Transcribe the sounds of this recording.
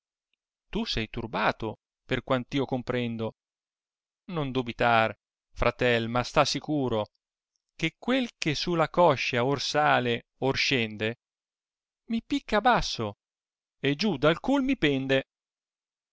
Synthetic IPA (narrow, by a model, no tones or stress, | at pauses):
t̪usɛjt̪urbaːt̪o | perkwant̪iːokompɾɛnd̪o | nond̪ubit̪ar | fɾʔat̪ɛlmast̪asːikuːɾo | kekːwelkesulːakɔʃːaorsaːle | orʃɛnd̪e | mipikːabasːo | ed͡ʒud̪alkulmipɛnd̪e